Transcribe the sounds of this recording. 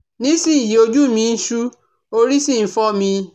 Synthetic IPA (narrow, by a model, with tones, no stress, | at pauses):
nĩ˨˦si˦˨ji˨o˧d͡ʒu˦mĩ˧n̩˦ʃu˦ | o˧ɾi˦si˦˨n̩˨˦fɔ˦mĩ˧